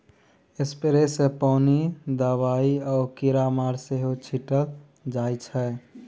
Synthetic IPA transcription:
espeɾesepɔnid̪əβaiɔkiɾamaɾseɦot͡ʃʰiʈəl | d͡ʒajt͡ʃʰɛ

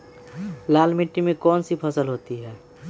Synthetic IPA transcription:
laːlmɪʈːimẽkɔːnsipʰɐsəlɦoːt̪iɦɛː

